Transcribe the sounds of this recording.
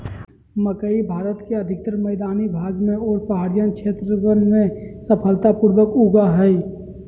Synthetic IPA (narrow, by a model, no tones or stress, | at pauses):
məkəibʱaːɾət̪keɐd̪ʱɪk̚t̪ɾəməːd̪aːnibʱaːɡmẽɔːɾpəɦaːɾijənkʃeːt̪ɾəənmẽsəpʰəlt̪apuːɾʋəkuɡaɦɛi